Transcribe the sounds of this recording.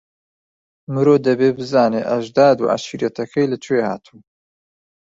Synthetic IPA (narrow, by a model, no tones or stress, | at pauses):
mɨɾoːd̪ɐbeːbɨzaːneʔɐʒd̪aːd̪ṵːʕa̰ʃiɾjet̪ʰɐkʰɐjlɐt͡ʃʰweha̰ːt̪ʰuː